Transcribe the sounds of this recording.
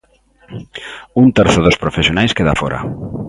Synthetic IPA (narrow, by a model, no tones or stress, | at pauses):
unt̪ɛɾθʊðospɾofesjonajskeða̰foɾʔɐ̰